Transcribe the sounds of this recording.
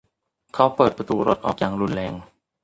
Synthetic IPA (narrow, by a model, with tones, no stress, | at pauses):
kʰa˦˥wpɤː˨˩t̪̚pa˧t̪uː˧˩ɾo̰˦˥t̪̚ʔɔ̰ː˨˩k̚jaː˨˩ŋɾu˧nlɛː˧˩ŋ